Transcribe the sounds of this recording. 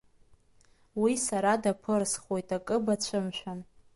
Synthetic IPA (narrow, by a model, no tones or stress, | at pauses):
wisaɾadapʰɨrsχo̞jtʰʼakʼɨbat͡ɕʷʰɨmʃʷᶣan